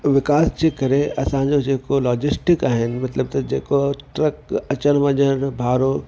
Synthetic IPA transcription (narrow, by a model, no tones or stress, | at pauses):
ʋɪkaːsd͡ʑeːkɐɾeɐsãɲd͡ʑod͡ʑeːkolɔːd͡ʑɪsʈɪkaːɦɪnɪ̆mɐt̪ləb̚t̪ɐd͡ʑeːkot̪ɾəkɐt͡ɕənʋɐ̃ɲəɾbʱaːɾo